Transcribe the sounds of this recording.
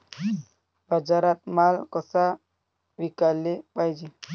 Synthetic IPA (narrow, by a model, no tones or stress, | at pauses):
bad͡ʒaɾat̪̚malkɔsa | wikalːiɓajd͡ʒi